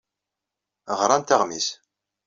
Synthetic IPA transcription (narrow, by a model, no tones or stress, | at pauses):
ʁɾˤɑnt̪aʁmis